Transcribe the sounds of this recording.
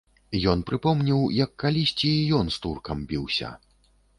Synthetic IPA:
jɔnpɾɨpɔmnʲiwjɐkːalʲisʲt͡sʲijɔnst̪urkɐmbʲiwsʲɐ̰

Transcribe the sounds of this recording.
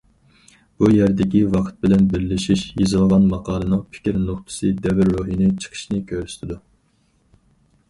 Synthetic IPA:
b̥ujæɾd̪ɪkʲiwɑqʰt̪̚bɪlɛnbɪɾlɪʃiʃjizɨlˠʁɑnmɑqʰɑːlˠɨnɨŋpʰɪ̥kʲiɾnoχt̪ʰɨ̥sɨd̪ɛvɪɾːoɦinɪt͡ʃʰə̥qʰə̥ʃnɨkʲʰøɾyst̪ʰɪd̪u

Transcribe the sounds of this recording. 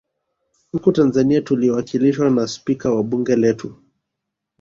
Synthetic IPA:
hmukutanzaniatuliwakiliʃwanaspikawaɓuŋɡɛlɛtu

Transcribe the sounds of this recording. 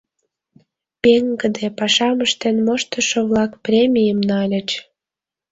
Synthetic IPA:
peŋɡəd̪epɑʃɑməʃt̪enmoʃt̪əʃoβlɑkprʲemʲijəmnɑlʲə̆t͡ɕ

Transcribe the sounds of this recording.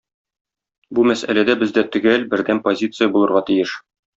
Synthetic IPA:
bumæsæ̰læd̪æbɘ̆zd̪æt̪ɵ̆ɡælbɘ̆ɾd̪æmpozʲit̪sɨjəbulˠɤ̆ɾʁɑt̪ĭjɘʃ

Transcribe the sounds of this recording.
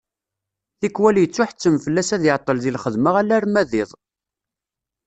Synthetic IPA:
θikːwæljət͡sːʊħt͡sːəmfəlːæsæðɪʕt̪ˤːəlðilχəðməʁælæɾmæðɪðˤ

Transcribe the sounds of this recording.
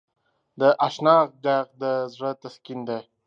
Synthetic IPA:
d̪əʔaʃnɑːq̚d̪aq̚d̪əzɽət̪askind̪e

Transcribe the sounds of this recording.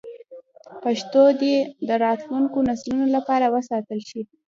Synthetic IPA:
paʃt̪od̪ed̪əɾɑt̪luŋkonaslunolapɑɾawəsɑt̪əlʃi

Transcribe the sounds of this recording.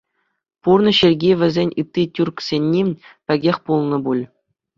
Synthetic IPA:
purnɤ̆ɕerʲɡʲiʋʲɘ̆zʲenʲɯt̪ʲːitʲurksʲenʲːipʲɘ̆ɡʲexʲpulˠnɤ̆bulʲ

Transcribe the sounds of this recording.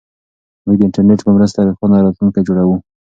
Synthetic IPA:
muɡd̪əɪɳʈaɾneʈpəmɾəst̪ad̪əxɑnaɾɑt̪luŋkajd͡ʒoɽawu

